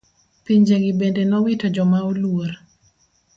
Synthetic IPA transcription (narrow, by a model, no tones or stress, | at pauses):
piɲd͡ʒeɡibendenɔwitɔd͡ʒɔmaolwor